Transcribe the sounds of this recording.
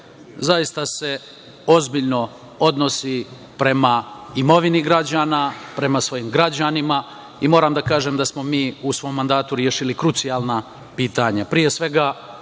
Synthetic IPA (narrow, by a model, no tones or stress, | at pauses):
zajist̪ase̞ | o̞zbiʎno̞ | o̞d̪no̞si | pɾe̞maimo̞ʋiniɡɾad͡ʑaːnapɾe̞masʋo̞jiːmɡɾad͡ʑanima | imo̞ːɾaːmd̪akaːʒeːmd̪asmo̞miːusʋo̞ːmːand̪aːt̪uɾjeʃilikɾut̪sijaːlˠna | piːt̪aɲapɾije̞sʋe̞ɡa